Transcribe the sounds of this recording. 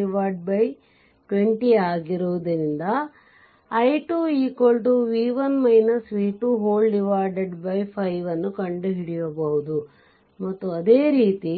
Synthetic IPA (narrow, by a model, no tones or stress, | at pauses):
iʋaːɾɖ̚bɐj | ʈʋeɳʈiaːɡiɾuʋd̪ɐɾind̪ɐ | ɐjʈuːiːkoɭʈuʋiːʋɐnmɐjnɐsʋiːʈuɦoːlɖiʋaːɾɖɐɖbɐjpʰɐjʋɐnːukɐɳɖuɦiɽijoːbɐɦud̪u | mɐt̪ːuɐd̪eːɾiːt̪i